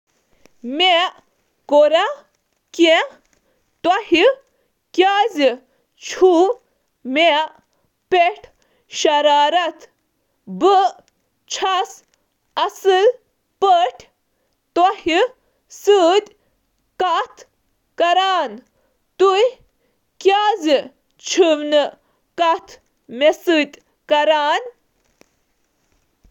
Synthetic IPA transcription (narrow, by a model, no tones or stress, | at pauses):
meʔ | koɾa | kẽ | t̪wahi | kjaːzi | t͡ʃʰu | meʔ | peʈʰ | ɕɐɾaːɾɐt̪ | bə | t͡ʃʰas | ɐsɨl | pəʈʰ | t̪ahi | sɨd̪ʲ | kɐt̪ʰ | kɐɾaːn | t̪uj | kjaːzi | t͡ʃʰiʋnɨ | kɐt̪ʰ | mesɨd̪ʲ | kɐɾaːn